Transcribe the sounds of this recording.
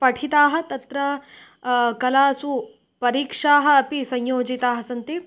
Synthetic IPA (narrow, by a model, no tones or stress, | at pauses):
pɐʈʰit̪aːɦɐ̆t̪ɐt̪ɾɐ | kɐlaːsu | pɐɾiːkʂaːɦɐ̆ːpisɐɲjoːd͡ʒit̪aːɦɐsɐnt̪i